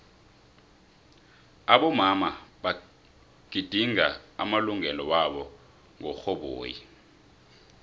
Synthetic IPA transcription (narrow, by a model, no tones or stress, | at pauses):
aɓɔmamaɓa | ɡ̥ʱid̥ʱiŋa̰a̰maluŋɛlɔwaɓɔ | ŋɔxɔɓo̰ːjḭ